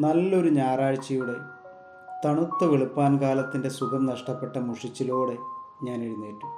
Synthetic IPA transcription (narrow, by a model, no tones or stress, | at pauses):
nɐlːo̞ɾuɲaːraːɻt͡ɕːɐjuɽe̞ | t̪ɐɳut̪ːɐʋeɭupːaːnkaːlɐt̪ːinde̞suɡʱɐmnɐʂʈɐpːe̞ʈːɐmuʂit͡ɕːilo̞ːɽe̞ɲaːneɻunːeːʈːu̥